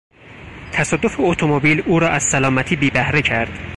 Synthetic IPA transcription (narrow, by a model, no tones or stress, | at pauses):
t̪ʰæsɒːd̪ːo̞feot̪ʰomobiːluːɾɒːʔæz̥sælɒːmæt̪ʰiːbiːbæhɾecʰæɾd̪̥